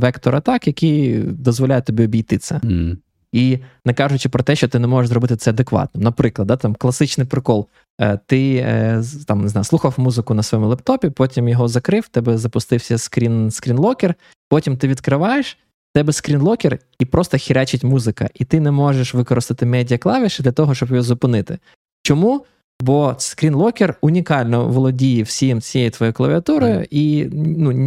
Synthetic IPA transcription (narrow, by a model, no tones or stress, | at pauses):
ʋɛkt̪ɔɾɐt̪ɑkjɐkijd̪ɔzʋɔlʲajɛt̪ɔbʲiɔbʲijt̪ɪt̪sɛ | inɛkɑʒʊt͡ʃɪpɾɔt̪ɛʃt͡ʃɔt̪ɪnɛmɔʒeʃzɾɔbɪt̪ɪt̪sɛɐd̪ekʋɑ̰t̪nɔmnɐpɾɪklˠɐd̪d̪ɑt̪ɑmklˠɐsɪt͡ʃnɪjpɾɪkɔlˠː | t̪ɪ | t̪ɑmnɪznɑjʊsˠuxɐwmuzɪkʊnɐsʋɔjɔmʊlˠɛp̚t̪ɔpʲipɔtʲimjɔɦɔzɐkɾɪwt̪ɛbɛzɐpʊst̪ɪwsʲɐskɾʲinskɾʲinlˠɔkʲer | pɔtʲimt̪ɪʋʲid̪kɾɪʋɑjeʃ | t̪ɛbɛskɾʲinlˠɔkʲɛr | ipɾɔst̪ɐxʲiɾʲat͡ʃɪtʲmuzɪkɐ̰ʔit̪ɪnɛmɔʒeʃʋɪkɔɾɪst̪ɪt̪ɪmɛdʲijɐklˠɑʋʲiʃd̪lʲɐt̪ɔɦɔʃt͡ʃɔbjɦɔzʊpɪnɪt̪ɪ | t͡ʃɔmu | bɔsskɾʲinlˠɔkʲɪrʊnʲikɑlʲnɔ̰ʋɔlˠɔdʲijɪwsʲijimt͡sʲijeɛjit̪ʋɔjɛjʊklˠɐʋʲiɐt̪uɾɔjʊ̰ʔinu